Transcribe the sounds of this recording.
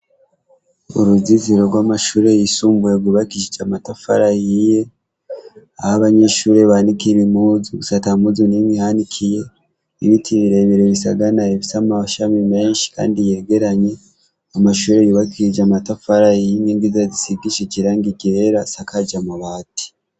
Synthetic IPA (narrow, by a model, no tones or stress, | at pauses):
o̰ɾuziziɾo̞ɾɡwaːmaʃuːɾe̞jisuːmbujewiβakiʃid͡ʒamatafa̰ɾajije̞ | ahaβaɲe̞ʃuːɾeβanikiɾimuzuusatamuzunimihanikʰije̞ | iβitʰiβiɾeβiɾeβisa̰ɡanaeβisamaʃamime̞ːnʃi̥ka̰ːndije̞ɡe̞ɾaɲe̞ | amaʃuːɾejuβakiɾid͡ʒamatafaɾajiɲeŋɡizazisiɡiʃeciɾaːŋɡiɟeeɾasakʰad͡ʒamuβaːti̥